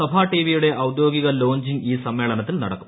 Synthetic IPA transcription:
ɐbʱaːʈiːʋijuɽe̞ʔɐwd̪jo̞ːɡiɣɐlo̞ːɲd͡ʑiŋɡiːsɐmːe̞ːɭɐnɐt̪̬ːilnɐɽɐ̰kːu̥m

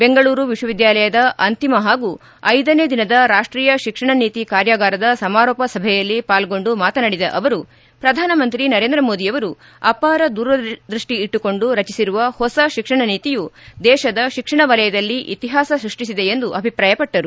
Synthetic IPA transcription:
be̞ŋɡɐɭuːɾuʋiʂwɐʋid̪jaːlɐjɐd̪ɐʔɐnt̪imɐɦaːɡu | ɐjd̪ɐneːd̪inɐd̪ɐɾaːʂʈɾiːjɐʃikʂɐɳɐniːt̪ikaːɾjɐɡaːɾɐd̪ɐsɐmaːɾɔːpɐsɐbʱɛjɐlːipaːlɡo̞ɳɖumaːt̪ɐnɐɽid̪ɐ̰ʔɐʋɐɾu | pɾɐd̪ʱaːnɐmɐnt̪ɾinɐɾe̞ːnd̪ɾɐmoːd̪ijɐʋɐɾu | ɐpaːɾɐd̪uːɾʋɐd̪ɾiʂʈiːʈːuko̞ɳɖuɾɐt͡ʃisiɾuʋɐhɔsɐʃikʂɐɳɐniːt̪ijud̪ɛːʃɐd̪ɐʃikʂɐɳɐʋɐlɐjɐd̪ɐlːiʔḭt̪iɦaːsɐsɾuʂʈisid̪e̞end̪uʔɐbʱipɾaːjɐpɐʈːɐɾu

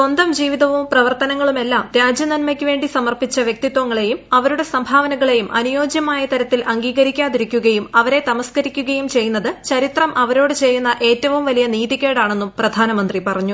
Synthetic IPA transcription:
sond̪ɐmd͡ʑiːʋiðɐʋumprɐʋɐrt̪ɐnɐŋːɐɭume̞lːaːmɾaːd͡ʑjɐnɐnmɐkʲːɨʋe̞ːɳɖisɐmɐrpit͡ɕːɐʋjek̚t̪it̪ʋɐŋːɐɭe̞jumɐʋɐɾuɽe̞sɐmbʱaːʋɐnɐɣɐɭe̞jumʔɐnujo̞ːd͡ʑjɐmaːjɐt̪ɐɾɐt̪ːilʔɐŋɡiːɣɐɾikʲːaːðiɾikʲːuɣɐjumɐʋɐɾe̞t̪ɐmɐskɐɾikʲːuɣɐjumt͡ɕe̞jːunːɐðɨt͡ɕɐɾit̪rɐmʔɐʋɐɾo̞ːɽɨt͡ɕe̞jːunːɐʔe̞ːtːɐʋumʋɐlijɐniːðiɣeːɽaːɳe̞nːumprɐd̪ʱaːnɐmɐnd̪ripɐrɐɲːu

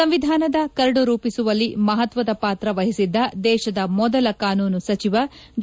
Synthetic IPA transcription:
ɐmʋid̪ʱaːnɐd̪ɐkɐɾɐɽuɾuːpisuʋɐlːimɐɦɐt̪ʋɐd̪ɐpaːt̪ɾɐʋɐɦisid̪ːɐd̪ɛːʃɐd̪ɐmɔd̪ɐlɐkaːnuːnusɐt͡ʃiʋɐd͡ʒ

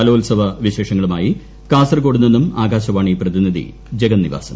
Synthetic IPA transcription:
ɐloːlsɐʋɐʋiɕe̞ːʂɐŋːɐɭumaːji | kaːsɐrko̞ːɽunːenːumaːɡaːɕɐʋaːɳiːprɐðiniðḭ | d͡ʑeɡɐnːiʋa̰ːsɐ̰m

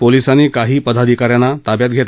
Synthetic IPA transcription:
polisaniːkaɦiːpəd̪ʱad̪ʱikaɾjanːat̪abjat̪̚ɡʱet̪

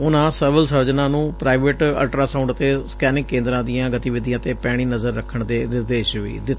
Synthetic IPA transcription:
ʊnãːsəːʋəlsəɾd͡ʒnãːnũːpɾaːɪʋeːʈə̰lʈɾaːsaːʊ̃ɳɖət̪eːskɛːnɪkkːẽːnd̪ɾãːd̪ijãːɡət̪iʋɪd̪ijãːt̪eːpɛːɽ̃iːnəzəɾːəkʰːəɳd̪eːnɪɾd̪eːʃʋḭːd̪ɪt̪ː

